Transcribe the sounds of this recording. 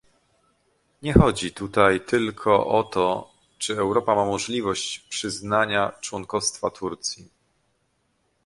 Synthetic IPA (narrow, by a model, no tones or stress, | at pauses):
ɲɛxɔd͡ʑit̪ut̪ajt̪ɘlkʰɔʔɔt̪ɔ | t͡ʂɘɛwɾɔpamamɔʐlʲivɔɕt͡ɕpʂɘznaɲat͡ʂwɔŋkɔfst̪fat̪ʰuɾt̪sʲji